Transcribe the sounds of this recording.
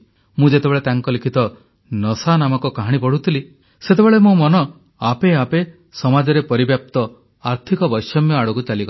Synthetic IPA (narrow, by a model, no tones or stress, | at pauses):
mũd͡ʒet̪ebeɭet̪aŋkɔlikʰit̪ɔ | nɔsanamɔkɔkaɦaɽ̃ipɔɽ̤ut̪ʰili | set̪ebeɭemũmɔnɔ | apeape | sɔmad͡ʒɔɾepɔɾibjap̚t̪ɔ | aɾt̪ʰikɔbɔjsɔmjɔaɽɔkut͡ʃalikɔ